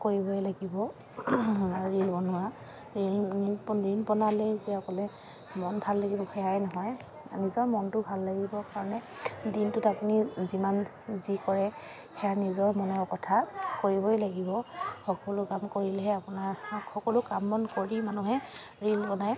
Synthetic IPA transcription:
koɹibɔjlaɡibɔ | aɹɹilbɔnʊa | ɹi | ɹinpɔnalɛzɛɔkɔlɛ | mɔnbʱalːaɡibɔxɛjajnɔɦɔj | nizɔɹmɔntʊbʱalːaɡibɔkaɹɔnɛdintʊtapuniziman | zikɔɹɛ | xɛjanizɔɹmɔnɔɹkɔtʰakoɹibɔjlaɡibɔxɔkɔlʊkamkoɹilɛɦɛapʊnaɹxɔkɔlʊkamːɔnkoɹimanuɦɛ | ɹilpɔnaj

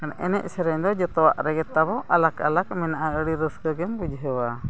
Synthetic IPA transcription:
kanaʔɛ̰nɛ̰ʔ̚ˀsɛɾɛɲd̪ɔd͡ʒɔt̪ɔwa̰ʔɾɛɡɛt̪abɔʔalakalakmɛnaʔaəɽiɾəsɡəɡɛmbud͡ʒɦəwa

